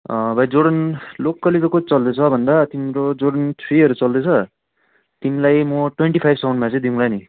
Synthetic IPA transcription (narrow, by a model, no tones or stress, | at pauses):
ʌbʱʌjd͡zoɽʌnlokːʌlit̪kot͡sʌld̪et͡sʰʌbʱʌnd̪at̪imɾod͡zoɽʌnt͡sʰiʌɾut͡sʌld̪ʌt͡sʰʌ | t̪inilajmʌʈweɳʈipʰajbsaw̃ɳɖmat͡sʌj̃d̪iũlani